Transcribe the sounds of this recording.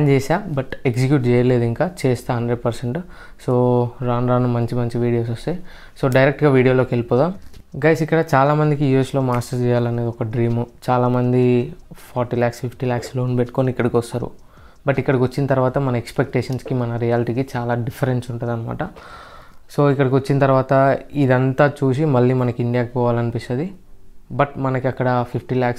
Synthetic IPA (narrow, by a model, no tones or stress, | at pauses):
aːnd͡ʒɛːsaːbɐʈeksikjuːʈt͡ʃɛːjɐle̞ːd̪uiŋkaːt͡ʃɛːst̪aɦɐɳɖɾeɖ̚pɐɾseɳʈ | soːɾaːnɾaːnumɐɲt͡ʃimɐɲt͡ʃiʋiːɽijo̞ːs̬ost̪e | so̞ːɖɐjɾek̚ʈɡaːʋiːɽijoːloːkelipɔːd̪aːmɡɐjsikːɐɽɐt͡ʃaːlaːmɐnd̪ikijueslo̞ːmaːsʈɐɾt͡ʃɛːjaːlɐne̞ːd̪iɔkɐɖɾiːmut͡ʃaːlaːmɐnd̪ipʰaːɾʈiːlaːksfipʰʈilaːksloːnpeʈːu̥koːniːkːɐɽɐkʋɔst̪aːɾṵ | bɐʈːikːɐɽɐkʋɐt͡ʃːinɐt̪ɐɾuʋaːt̪ɐmɐnɐekspek̚ʈeːʂɐnskimɐnɐɾijaːliʈiːkit͡ʃaːlaːɖifʰɐɾensuɳʈunːd̪ɐnɐma̰ːʈɐ | soːikːɐɽɐk̬ʋɐt͡ʃːinɐt̪ɐɾuʋaːt̪ɐid̪ɐnt̪aːt͡ʃuːs̬imɐɭːiːmɐnɐkiiɳɖijaːkipɔːʋaːlɐnipit͡ʃːɐːd̪ibɐʈmɐnɐkiɐkːɐɽɐpʰipʰʈilaːks